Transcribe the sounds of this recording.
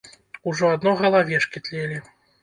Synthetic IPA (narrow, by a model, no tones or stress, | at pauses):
uʐɔad̪nɔɣɐlˠavʲɛʂkʲit̪lʲelʲi